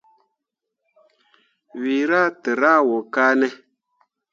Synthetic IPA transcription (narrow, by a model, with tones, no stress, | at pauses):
wiː˨ɾa˦˨tə˨ɾa˦wɔ˨kaː˦nɛ˦